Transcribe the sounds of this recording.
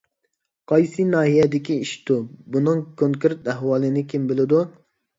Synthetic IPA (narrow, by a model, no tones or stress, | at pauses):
qʰɑjsɨnɑːɦijɛd̪ɪkʲiiʃt̪ubunɨŋkʰoŋkʲɪɾt̪æɦwɑːlˠɪnɪkʲʰembɪlɪd̪u